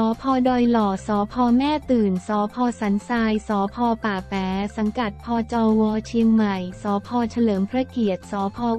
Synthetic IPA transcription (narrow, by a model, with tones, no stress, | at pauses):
ɔː˩˦pʰɔː˧dɔː˧jlɔː˨˩sɔː˩˦pʰɔː˧mɛː˥˩t̪ɯː˨˩nsɔː˩˦pʰɔː˧sa˩˦nsaː˧jsɔː˩˦pʰɔː˧paː˨˩pɛː˩˦sa˩˦ŋka˨˩t̪̚pʰɔː˧t͡ɕɔː˧wɔː˧t͡ɕʰi˧ŋma˨˩jsɔː˩˦pʰɔː˧t͡ɕʰa˧lɤː˩˦mpʰɾa˧˥ki˨˩ət̪̚sɔː˩˦pʰɔː˧